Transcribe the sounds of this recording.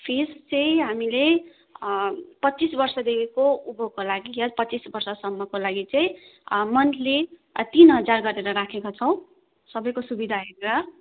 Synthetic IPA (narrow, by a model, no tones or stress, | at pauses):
pʰest͡sʌĩɦamile | pʌt͡sisbʌrsʌd̪ekʰekoubʱokolaɡiʌpʌt͡sisbʌrsʌsʌmːʌkolaɡit͡sʌ̃ĩ | mʌnlet̪inɦʌd͡zarɡʌɾeɾʌɾakʰekot͡sʰʌw̃ | sʌbʌjkosubid̪ʱaɦeɾeɾʌ